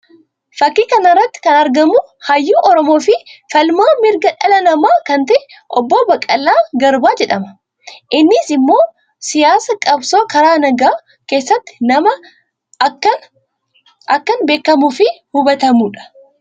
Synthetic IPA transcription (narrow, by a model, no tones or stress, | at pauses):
fɐkːiːkɐnɐrːɐt̪ːɪ̥kɐnɐɾɡɐmʊhɐjːuːʔɔɾɔmo̞ːfɪfɐlmaːmɪɾɡɐᶑɐlɐnɐmaːkɐnt̪ɐʔɛ | ʔɔbːoːbɐkʼːɐlːaːɡɐɾbaːd͡ʒɛᶑɐmɐ | ʔɪnːɪsɪmːo̞ː | sɪjaːsɐkʼɐbso̞ːkɐɾaːnɐɡaː | keːsːɐt̪ːɪ̥nɐmɐ | kːɐn | ɐkːɐnbe̞ːkːɐmufɪhʊbɐt̪ɐmuːᶑɐ̥